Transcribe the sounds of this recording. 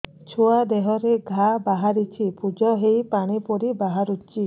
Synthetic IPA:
t͡ʃʰoad̪eɦɔɾeɡʱabaɦaɾit͡ʃʰipud͡ʒɔɦejpaɽ̃ipɔɾibaɦaɾut͡ʃi

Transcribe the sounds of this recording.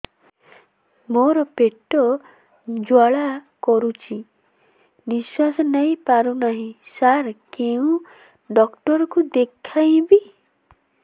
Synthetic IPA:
moɾɔpeʈːɔ | d͡ʒwaɭakɔɾut͡ʃʰi | niswasnəipaɾunaɦĩsaɾkeũ | ɖɔkʈɔɾkud̪ekʰːaĩbi

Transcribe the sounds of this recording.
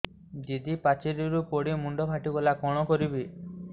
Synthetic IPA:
d̪id̪ipat͡ʃiɾiɾupoɽimuɳɖɔbʱaʈibɔlakɔɽ̃ɔkɔɾibi

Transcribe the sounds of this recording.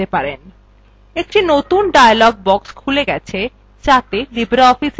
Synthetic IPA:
t̪epaɾen | ek̚ʈinot̪unɖajalɔɡ̚bɔkskʰuleɡɛt͡ɕʰe | t͡ɕat̪elibɾaɔfis

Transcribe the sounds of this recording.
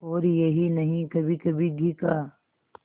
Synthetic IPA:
ɔːɾjɐɦinɐɦĩkɐbʱikɐbʱiɡʱika

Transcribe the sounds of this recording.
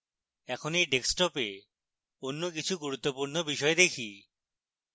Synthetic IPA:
ɛkʰonejɖeksʈɔpe | onːok̬it͡ɕʰuɡuɾut̪ːopuɾnobiʃɔed̪ekʰi

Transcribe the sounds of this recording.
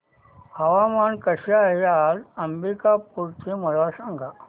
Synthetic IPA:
aʋamankəɕaɦealəmbikapuɽt͡ɕeməɽʋasaŋɡʱa

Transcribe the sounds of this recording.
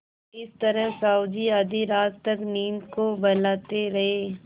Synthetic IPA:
ɪst̪ɐɾəɦsaːʊd̪iɐd̪iɾaːt̪t̪ɐkniːnkobɐlaːt̪eɾɐɦeː

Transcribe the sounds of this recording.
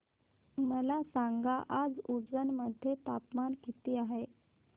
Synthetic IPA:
məlasaŋɡaʔad͡zud͡zənməd̪ʱːjet̪apmankit̪iːaɦe

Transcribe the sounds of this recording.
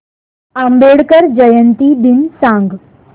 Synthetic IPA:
ambeɽkəɾd͡ʑəjənt̪id̪ɪnsãːŋɡ

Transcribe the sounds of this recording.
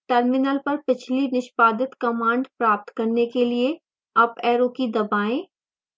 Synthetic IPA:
ʈɐɾmɪnəlpɐɾpɪt͡ʃʰlinɪʃpaːd̪ɪt̪kɐmãːɳɖpɾaːp̚t̪kɐɾnekelie | ɐpɛːɾõkid̪ɐbaːẽː

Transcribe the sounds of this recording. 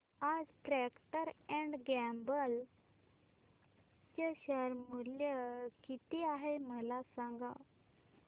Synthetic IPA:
ad͡zpɾɛkʈəɾɛ̃ɳɖɡɛmbəl | t͡ɕəɕəɾmuljəkit̪iaɦeməlasãŋɡa

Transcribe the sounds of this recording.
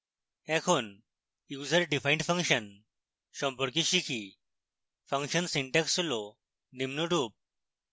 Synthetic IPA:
ɛkʰon | jud͡zəɾɖifaĩɳʈfʰə̃ŋkɕən | ɕɔmpɔɾk̬iɕikʰi | fə̃ŋkɕənsĩɳʈɛksulo | nimnuɖʱuːp̚

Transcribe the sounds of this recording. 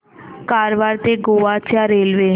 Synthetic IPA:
kaːɾʋaːɾt̪eɡoːʋat͡ʃjaːɾeːlʋeː

